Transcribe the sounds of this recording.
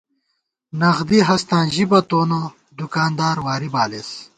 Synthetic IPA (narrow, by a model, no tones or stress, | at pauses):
nɐɣd̪iɦɐst̪ãːnʑibɐt̪oːno | d̪ukaːnd̪aːɾwaːɾibaːles